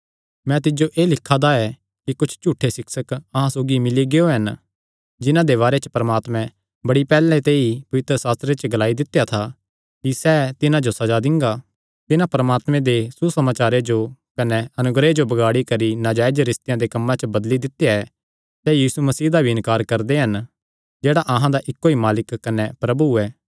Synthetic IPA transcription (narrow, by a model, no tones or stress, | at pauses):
mɛ̃t̪̬ɪd͡ʒoʔeːlɪkʰːad̪aɛ | kikʊt͡ʃʰt͡ʃuːʈʰːesɪksəkɐɦãsoːɡimɪliɡeoɦɐn | d͡ʒɪnãd̪eβaːɾet͡ʃə̥pɐɾəmaːt̪mɛ̃ | bɐɽipɛːlẽt̪eːipɐʋɪt̪ɾəsaːst̪ɾet͡ʃəɡɐlaːid̪ɪt̪ːejat̪ʰa | kisɛːt̪ɪnãd͡ʒosɐd͡ʒad̪ɪ̃ŋɡa | t̪ɪnãpɾəmaːt̪mɛ̃d̪esusɐmaːt͡ʃaːɾed͡ʒokɐnɛɐnʊɡɾed͡ʒobɐɡaːɽikɐɾinaːd͡ʒaːɪd͡ʒɾɪst̪ɪjãd̪ekɐmːãt͡ʃəbɐd̪lid̪ɪt̪jaɛ | sɛːjiːsumɐsiːd̪abʱiɪ̃nkaːɾkɐɾd̪eɦɐn | d͡ʒeːɽaʔɐɦãd̪aʔɪkːoimaːlɪkːɐnɛpɾɐbuɛː